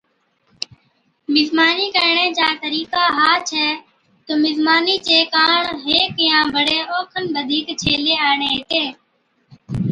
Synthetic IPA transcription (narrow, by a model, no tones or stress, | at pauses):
mɪzmaːniːkəɾɳẽːd͡ʒaːt̪əɾiːkaːɦaːt͡ʃʰɛː | t̪omɪzmaːniːt͡ʃeːkaːɳɦeːkɪjãːbʱəɽeːʔɔːkʰənɓəd̪ʱiːkt͡ʃʰeːleːaːɳeːɦet̪eː